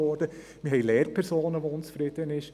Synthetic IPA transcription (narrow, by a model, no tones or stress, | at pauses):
ɔːɾd̥ə | mɪɦhɛɪlɛːɾ̚pʰɛɾsoːnəʋoʊnt͡sfɾɪd̥̪ənɪʃ